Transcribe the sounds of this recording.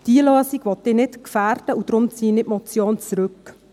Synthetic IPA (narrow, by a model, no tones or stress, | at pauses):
d̥iəløːsiɡʋɔt̪̚d̥ɪːnɪtkfæːɾd̥əʔud̥̪ɾʊmt͡siːnɪtmɔt͡sjoːnt͡sɾɵk